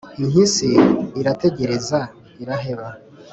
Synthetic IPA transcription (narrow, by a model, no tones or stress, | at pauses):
in̥isiiɾatʰe̞ɟe̞ɾe̞za | iɾaɦe̞βa